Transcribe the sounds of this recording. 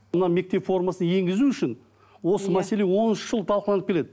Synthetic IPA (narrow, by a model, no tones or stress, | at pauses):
mənɑme̞k̚t̪e̞pfo̞rmasənje̞ŋɡʲɪzuʏʃɪn | wo̞səmæse̞le̞wo̞nʏʃəʒ̥əlˠt̪ʰɑlˠqəlˠɑnəpkʲele̞d̪ɪ